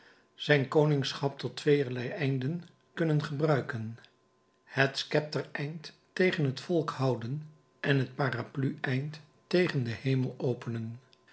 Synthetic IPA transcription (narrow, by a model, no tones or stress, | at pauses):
z̥ɛjnkownɪŋsχɑp̚tɔtʋejəɹlɛjɛjndən | kɵnənχəbrœɥkən | hətskɛp̚təɹɛjntː | ejχənɦətfɔlˠkhɑwdən | ʔɛnɦət̚paːraplyʔɛjnt | tejχəndəhejməlˠowpənən